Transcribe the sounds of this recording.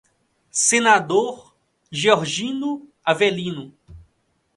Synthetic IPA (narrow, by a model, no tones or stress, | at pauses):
senad̪oɾ | ʒeoɾʒĩnʊ | avelĩnʊ